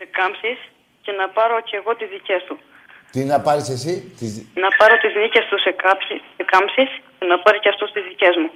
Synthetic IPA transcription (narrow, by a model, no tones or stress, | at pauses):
se̞kɐmsis | ce̞nɐpɐɾo̞ce̞ɣo̞t̪izðice̞st̪u | t̪inɐpɐɾisesit̪iznɐpɐɾo̞t̪iznice̞st̪usekɐsi | ekɐmpsiscenɐpɐɾiceɐft̪ust̪izðice̞zmu